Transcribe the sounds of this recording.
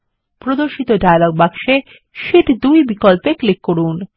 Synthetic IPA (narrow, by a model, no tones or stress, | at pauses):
pɾod̪oɾʃit̪oɖajloɡ̚bakʃe | ʃiʈd̪ujbikolpeklikːoɽun